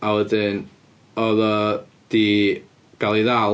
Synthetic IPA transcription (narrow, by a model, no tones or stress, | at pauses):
awədɪn | ɔðɔ | d̥i | ɡ̥alˠiða